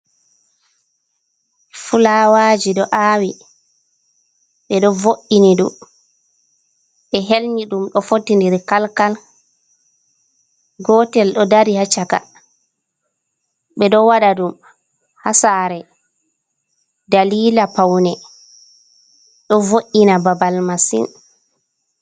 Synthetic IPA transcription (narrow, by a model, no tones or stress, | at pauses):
fulawaːd͡ʒiɗɔʔaːwi | ɓɛɗɔvoʔiniɗṵm | ɓɛɦelɲiɗumɗɔfotːindiɾikalkal | ɡɔtɛlɗɔdaɾihat͡ʃaka̰ | ɓɛɗɔwaɗadum | hasaɾɛ | daliːlapawnɛ | ɗɔvoʔinababalmasḭn